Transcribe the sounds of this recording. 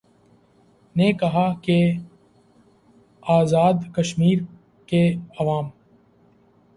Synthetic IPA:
nekɐɦake | aːzaːd̪kɐʃmiːɾ | keɐʋaːm

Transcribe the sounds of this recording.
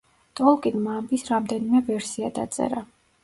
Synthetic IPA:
t̪ʼɔlˠkʼinmambisɾamd̪ɛnimɛvɛɾsiad̪a̰t̪sʼɛ̰ɾa

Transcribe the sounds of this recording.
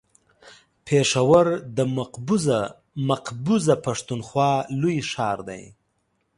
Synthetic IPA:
pʰeʂawaɾd̪əmqbz | maqbuzapaʂt̪unxwɑlujʂɑːɾd̪a̰j

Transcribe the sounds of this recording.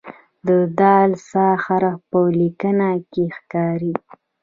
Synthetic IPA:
d̪əd̪ɑlsɑxaɾapəlikənakexkɑɾi

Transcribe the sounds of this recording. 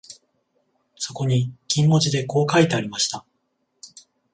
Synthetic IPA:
so̞ko̞ɲ̟ikʲĩmːo̞t͡ɕid̪e̞ko̞ːkait̪e̞aɾʲimaɕi̥t̪a

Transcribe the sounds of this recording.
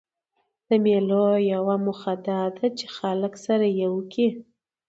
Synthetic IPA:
d̪̥əmelojawamʊxad̪ɑd̪at͡ʃe̥xaləksaɾajewəki

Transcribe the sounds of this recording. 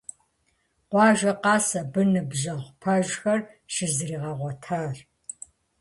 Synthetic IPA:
qʷɑːʒɐqɑːsɐbɨnɨbʒɐʁʷpʰɐʒxɐr | ʃɪzriːʁɐʁʷɔtʰaːr

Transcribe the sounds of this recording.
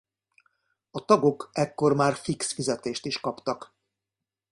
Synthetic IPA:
ɒt̪ɒɡo̞kɛkːo̞rmaːrfiksfizɛt̪eːʃt̪iʃkɒpt̪ɒk

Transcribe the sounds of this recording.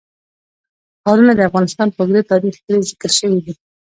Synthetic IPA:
hɑɾunad̪əafɣɑnɪst̪ɑnpəɡd̪et̪ɑɾixkəlezɪkəɾʃəwid̪i

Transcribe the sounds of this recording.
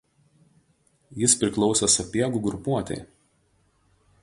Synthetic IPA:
jɪspʲɾʲɪklˠɔʊsʲɐsɐpʲiɛɡuˑɡɾʊpuɔt̪ʲɛ̰ɪ

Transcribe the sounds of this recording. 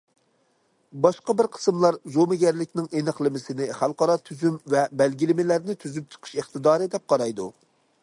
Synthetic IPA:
bɑʃqɑbɪɾqʰə̥sɨmlˠɑɾzomɪɡʲɛɾlɪkʲnɪŋʔenɨχlˠɪmɪsɪnɪχælˠqɑɾɑt̪ʰyzymvɛbɛlɡʲilɪmɪlæɾnɪt̪ʰyzyp̚t͡ʃʰə̥qʰə̥ʃeχt̪ɨd̪ɑːɾɨd̪ɛp̚qʰɑɾɑjd̪ṵ

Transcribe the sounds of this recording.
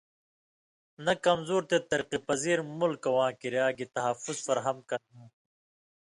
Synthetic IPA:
nɐkɐmzoːɾt̪et̪ɐɾqipɐziːɾmulkɐwãːkiɾjaːɡit̪ɐɦɐfuzfɐɾɦɐmkɐnɦũː

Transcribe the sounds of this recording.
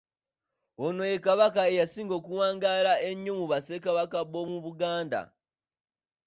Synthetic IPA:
ono̞jekaβakae̞jasiːŋɡo̞ːkuwaːŋɡaːɾaʔeɲːomuβasekaβakaβo̞muβuɡaːnda̰

